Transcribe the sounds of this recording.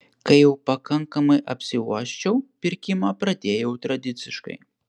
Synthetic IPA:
kɐjiwpakaŋkɐmɨʔɐpsʲiwa̰ʃt͡ʃɐwpʲirkʲimapɾɐd̪ʲejɐwt̪ɾɐd̪ʲɨt̪sɨʂkɐ̰j

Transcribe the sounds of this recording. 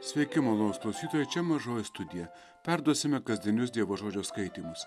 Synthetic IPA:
sʲʋʲɛɪkʲɪmoːlˠosklˠɐʊsʲiːt̪oːjɛɪt͡ʃʲɛmɐʒoːjɪst̪ʊd̪ʲɪjɛ | pʲæɾd̪uɔsʲɪmʲɛkɐzʲd̪ʲɪnʲʊsd̪ʲiɛʋoːʒoːd͡ʒʲoːskɐɪt̪ʲiːmʊs

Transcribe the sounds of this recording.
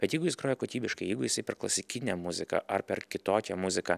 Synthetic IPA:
b̥ʲɛt̪jɛɪɡʊjɪskɾoːjɛkoːt̪ʲiːbʲɪʃkɐɪjɛɪɡʊjɪsɐɪpʲɛrklˠɐsʲɪkʲɪnʲɛmʊzʲɪkɐ̰ʔɐrpʲɛɾkʲɪt̪oːkʲɛmʊzʲɪkɐ

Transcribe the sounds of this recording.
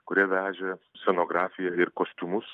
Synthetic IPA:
kʊɾʲiɛʋʲæːʒʲɛsʲɛnoːɡɾɑːfʲɪjɛɪɾkoːsʲt̪ʲumʊs

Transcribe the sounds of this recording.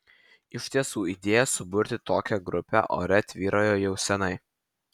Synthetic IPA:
ɪʃʲt̪ʲiɛsuːiːd̪ʲeːjɛsʊbʊɾʲt̪ʲɪt̪oːkʲɛɡɾʊpʲæ̰ʔo̰ːɾʲɛt̪ʲʋʲiːɾʔoːjoːjɛʊsʲɛnɐɪ

